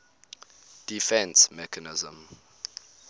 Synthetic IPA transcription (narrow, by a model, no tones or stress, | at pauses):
d̥ifɛ̃nsmɛkʰanɪzə̃m